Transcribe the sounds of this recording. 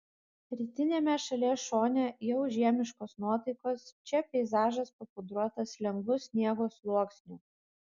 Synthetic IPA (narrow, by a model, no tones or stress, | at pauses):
ɾʲiːt̪ʲɪnʲeːmʲɛʃɐlʲɛʃoːnʲɛjɛʊʒʲiɛmʲɪʃkoːsnuɔt̪ɐɪkoːst͡ʃʲɛpʲɛɪzɑːʒɐspɐpʊd̪ɾuɔt̪ɐslʲɛŋɡʋˠʊsʲnʲiɛɡoːslˠuɔksʲnʲu